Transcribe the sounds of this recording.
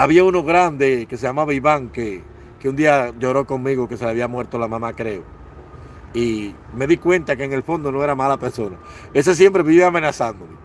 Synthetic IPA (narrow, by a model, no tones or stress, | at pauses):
aβiauno̞ɣɾand̪eke̞seʝamaβaiβaŋke | keund̪iaʝo̞ɾo̞ko̞ŋmiɣoke̞seleaβiamwe̞ɾt̪olamãmakɾe̞o | i | me̞ðikwe̞nt̪ake̞ːŋe̞lfo̞nd̪o̞no̞e̞ɾamalape̞ɾso̞na̰ | es̬es̬je̞mpɾe̞βiβeamẽ̞nasand̪ome